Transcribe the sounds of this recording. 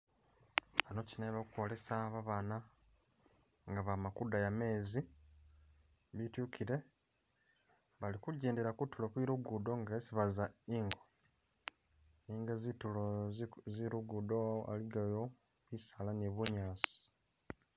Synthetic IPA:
ano̞cineβakukolesaβaβana | ŋɡaβamakudajame̞ːzi | βitjukʰiɾe̞ | βalikuɟeːndeɾakutːulokwiːɾuɡudo̞ŋɡaesiβazaiːŋɡo | niːŋɡazituloziɾuɡudo̞a̰liɡajo | βisalaniβuɲaːsi̥

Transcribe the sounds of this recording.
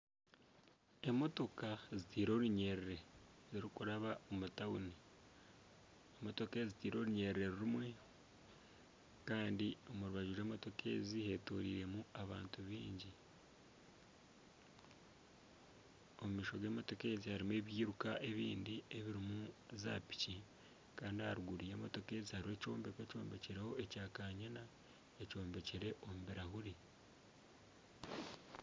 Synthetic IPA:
e̞mo̞to̞kazitiːɾo̞ːɾuɲe̞ɾeɾe̞ziɾikuɾaβaomutauni | emo̞to̞kezitiːɾo̞ːɾuɲe̞ɾeɾe̞ɾiɾimwe̞ | kaːndio̞muɾuβaɟuɾe̞ːmo̞to̞ke̞̰ːzihe̞ːtuɾḭːɾe̞muaβa̰ːntuβiːɲɟi | omumiːʃo̞ɡeːmoto̞ke̞ːzihaɾime̞ːβjiːɾukaʔe̞βiːndieβiɾimuza̰pi̥ci | kaːndihaɾuɡuɾije̞ːmoto̞ke̞ːzihaɾiwe̞ːco̞ːmbe̞kweco̞ːmbe̞ceɾeho̞ecaːkaːɲena | eco̞ːmbe̞ceɾe̞ʔomuβeɾahuɾi

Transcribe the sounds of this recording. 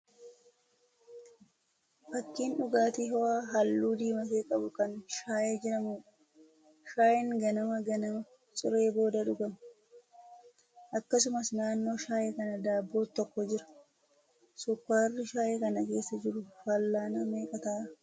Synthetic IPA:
bɐkːiːnᶑʊɡaːt̪iɦɔaːɦɐlːuːd̪iːmɐf̬eːkʼɐbʊkɐnʃaːʔe̞ːd͡ʒɪɾɐmuːᶑ | ʃaːʔɪŋɡɐnɐmɐɡɐnɐmɐ | sʼʊɾe̞ːbo̞ːd̪ɐᶑʊɡɐmɐ | ʔɐkːɐs̬ʊmɐsnaːnːo̞ːʃaːʔeːkɐnɐd̪aːbːo̞ːt̪ːɔkːɔd͡ʒɪɾɐ̥ | sʊkːaːrːɪʃaːʔeːkɐnɐke̞ːsːɐd͡ʒɪɾʊfɐlːaːnɐme̞ːkʼɐt̪aː

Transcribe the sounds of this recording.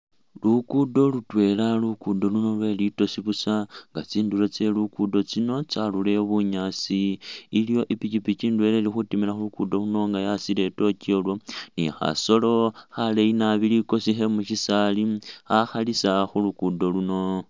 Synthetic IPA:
lukudo̞lutwe̞lalukudo̞luno̞lwe̞lito̞siβusaŋɡat͡siːndulo̞t͡se̞lukudo̞t͡sino̞t͡salule̞βuɲaːt͡siːlijo̞ʔipit͡ʃipit͡ʃindwe̞le̞lixutimilaxulukudo̞luno̞ŋɡajasile̞to̞ciolwo̞nḭxa̰so̞lo̞xaleinaβiliko̞sixe̞muʃisaliaxalisaxulukudo̞luno̞

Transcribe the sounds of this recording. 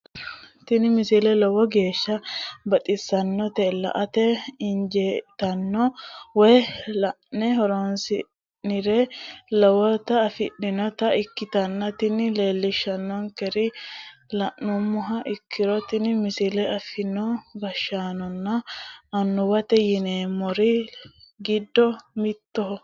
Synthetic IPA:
t̪ɪnɪmɪsilɛlɔwɔɡe̞ːʃːɐbɐt̪ʼɪsːɐnːɔt̪ɛlɐ̰ʔɐt̪ɛɪnd͡ʒeːt̪ɐnːɔwɔjlɐʔnɛɦɔɾɔnsɪ | nɪɾɛlɐwɔt̪ɐːfɪɗːɪnɔt̪ɐɪkːɪt̪ɐnːɐt̪ɪnːɪle̞ːlːɪʃːɐnːɔŋkɛɾɪlɐʔnɔmːʊɦɐʔɪkʰːɪɾɔt̪ɪnɪmɪsɪlɛɐfɪnɔɡɐʃːaːnɔnːɐɐnːʊbɐt̪ɛjɪneːmɔɾɪ | ɡɪd̪ːɔmɪt̪ːɔɦɔ

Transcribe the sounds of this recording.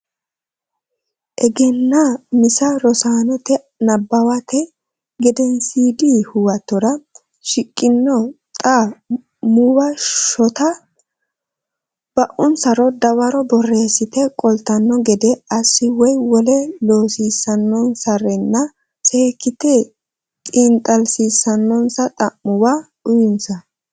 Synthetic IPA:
ʔɛɡɛnːɐmɪsɐɾɔsaːnɔt̪ɛ | nɐbːɐwɐt̪ɛ | ɡɛd̪ɛnsiːd̪iːhʊwɐt̪ːɔɾɐ | ʃɪkʼːɪnːɔt̪ʼa | muwɐʃɔt̪ɐ | b̥ɐʔʊnsɐɾɔd̪ɐwɐɾɔbɔrːeːsɪt̪ɛkʼɔlt̪ːɐnːɔɡɛd̪ɛɐsːɪwɔjwɔlɛlo̞ːsiːsːɐnːɔnsɐɾɛnːɐ | seːkːɪt̪e | tʼint̪ʼɐlsiːsːɐnːɔnsɐt̪ʼɐʔːʊwa | ʊjɪnsɐ

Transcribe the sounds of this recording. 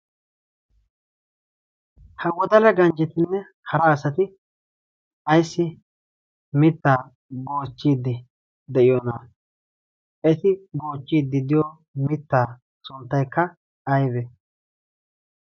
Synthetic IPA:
hɐɡɔd̪ɐlɐɡɐnd͡ʒɛt̪ɪnːɛ | hɐɾɐːsɐt̪ɪ | ʔɐjsːɪ | mɪt̪ːaː | boːt͡ʃːiːd̪ːɪ | d̪ɛʔɪjonaː | ʔɛt̪ɪbo̞ːt͡ʃːiːd̪ːɪd̪ɪjo | mɪt̪ːaː | sʊnt̪ːɐjkːɐ | ɐjbɛ

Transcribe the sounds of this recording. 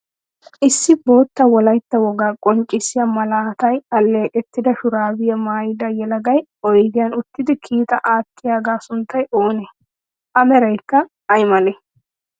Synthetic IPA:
ʔɪsːɪbo̞ːt̪ːɐwɔlɐjt̪ːɐwɔɡaːkʼɔnt͡ʃʼːɪsɪjamɐlaːt̪ɐjɐlːe̞ːkʼɛt̪ːɪd̪ɐʃʊɾaːbɪjɐmaːjɪd̪ɐjɛlɐɡɐjɔjɡ̪ɪjaːnʊt̪ːɪd̪ɪkʰiːt̪ɐʔaːt̪ːɪjaːɡaːsʊnt̪ːɐjʔoːne | ʔɐmɛɾɐjkːɐ | ɐjmɐle

